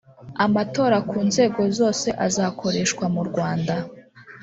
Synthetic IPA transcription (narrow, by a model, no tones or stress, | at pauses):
amato̞ːɾakʰuːnze̞ːɡo̞zo̞ːse̞ʔazakʰo̞ɾe̞ʃkwamuɾɡwaːnda